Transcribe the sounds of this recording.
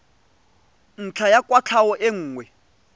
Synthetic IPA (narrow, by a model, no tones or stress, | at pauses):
n̩t͡ɬʰajakʼwat͡ɬʰawɔʔeŋ̩ːŋwɛ